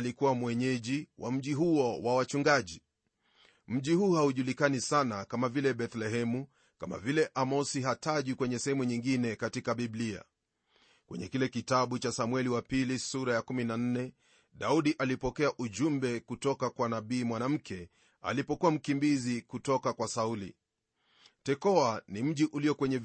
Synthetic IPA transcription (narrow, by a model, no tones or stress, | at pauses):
likuwamwɛɲɛʄiwʔa̰m̩ʄiɦuɔwawat͡ʃuŋɡaʄi | m̩ʄihuːhauʄulikanisanakamavilɛɓɛθlɛɦɛmu | kama̰vilɛʔamɔsiɦataʄwikwɛɲɛsɛhɛmuɲiŋɡinɛkatikaɓiblia̰ | kwɛ̰ɲɛkilɛkitaɓut͡ʃasamwɛliwapilisuɾajakuminan̩nɛ | ɗauɗiʔalipɔkɛaʔuʄumbɛkutɔkakwanaɓiːmwanam̩kʰɛ | a̰lipɔkuwam̩kimbizikutɔkakwasaulḭ | tɛkɔanim̩ʄiʔuliɔkwɛɲɛ